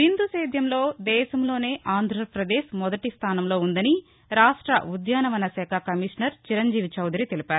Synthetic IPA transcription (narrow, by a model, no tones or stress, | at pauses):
ɦind̪useːd̪jɐmlo̞ːd̪ɛːʃɐmlo̞ːne̞ːʔaːnd̪ʱɾɐpɾɐd̪eːʃmɔd̪ɐʈist̪ʰaːnɐmlo̞ːund̪ɐni | ɾaːʂʈɾɐ̰ud̪jaːnɐʋɐnɐsɛːkʰakɐmiʂnɐɾt͡ʃiɾɐɲd͡ʒiːʋit͡ʃɐwd̪ɾit̪elipaːɾu